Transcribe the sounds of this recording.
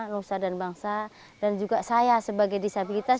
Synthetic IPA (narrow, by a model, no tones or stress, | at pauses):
nosadanbaŋsa | dand͡ʒuɡasajasəbaɡajdisabilit̪as